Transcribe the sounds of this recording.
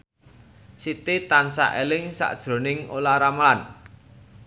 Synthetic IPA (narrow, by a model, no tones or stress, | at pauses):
sit̪it̪ansa̰ʔelɪŋsa̰ʔd̥ʒ̥ɾo̤nɪŋolaɾamlan